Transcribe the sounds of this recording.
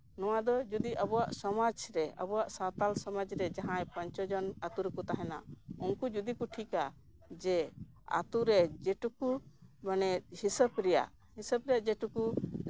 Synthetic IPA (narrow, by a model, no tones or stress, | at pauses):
nɔwad̪ɔd͡ʒud̪iʔəbɔwaʔsɔmad͡ʒɾɛə̰bɔwaʔsat̪alsɔmad͡ʒɾɛd͡ʒaɦãjpaɲt͡ʃɔd͡ʒɔnat̪uɾɛkut̪aɦɛna̰unkud͡ʒud̪ikuʈʰika | d͡ʒɛ | a̰t̪uɾɛd͡ʒɛʈukubanɛhisəbɾɛja̰ʔ | hisəbɾɛjaʔd͡ʒɛʈuku